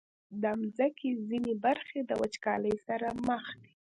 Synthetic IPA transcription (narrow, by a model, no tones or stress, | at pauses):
d̪əamzakezinebaɾxed̪əwat͡ʃkɑləjsaɾaməxd̪e̥